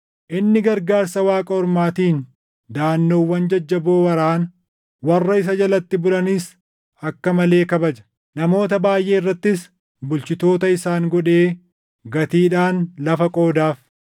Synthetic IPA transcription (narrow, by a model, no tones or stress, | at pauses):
ʔɪnːɪɡɐɾɡaːɾsɐwaːkʼɐɔɾmaːt̪iːn | d̪aːnːo̞ːwːɐnd͡ʒɐd͡ʒːɐboːwɐɾaːn | wɐrːɐɪs̬ɐd͡ʒɐlɐt̪ːɪbʊlɐnɪs | ɐkːɐmɐle̞ːkɐbɐd͡ʒɐ̥ | nɐmo̞ːt̪ɐbaːjʔe̞ːɪrːɐt̪ːɪs | bʊlt͡ʃɪt̪o̞ːt̪ɐɪsaːŋɡɔᶑe̞ː | ɡɐt̪iːᶑaːnlɐfɐkʼo̞ːd̪aːf